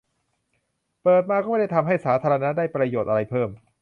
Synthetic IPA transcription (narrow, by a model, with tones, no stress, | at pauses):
pɤː˨˩t̪̚maː˧kɔː˥˩ma˥˩da˥˩jt̪ʰa˧mɦa˥˩jsaː˩˦t̪ʰaː˧ɾa˧na˦˥daː˥˩jpɾa˧joː˨˩t̪̚ʔa˧ɾa˧jpʰɤː˥˩m